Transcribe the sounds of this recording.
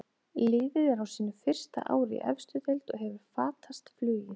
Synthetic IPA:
lɪːvɪðɛɾawsiːnːʏfɪr̥st̪a̰ʔa̰ːwɾɪ̰ʔɛ̰fst̪ʏt̪ɛlt̪ɔɣɦɛvʏɾ̥faːt̪ʰast̪flʏːjɪ

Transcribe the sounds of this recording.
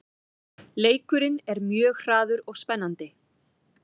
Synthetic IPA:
leːjkʏɾɪnɛɾmjœːɣr̥aːðʏɾɔɣspɛnːant̪ɪ

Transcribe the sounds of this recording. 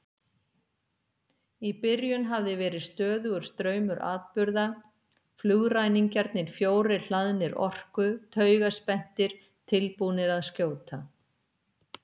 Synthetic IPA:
ipɪɾjʏnɦavðɪvɛːɾɪðst̪œːðʏɣʏɾ̥st̪ɾœːɥmʏɾʔa̰ːðpʏɾða | flʏɣrajniŋcaɾt̪nɪɾ̥fjoːwɾɪl̥aðnɪɾʔɔ̰r̥kʏt̪ʰœːɥɣaspɛn̥t̪ɪɾ̥ | t̪ʰɪlpunɪɾaðscjoːwt̪ʰa

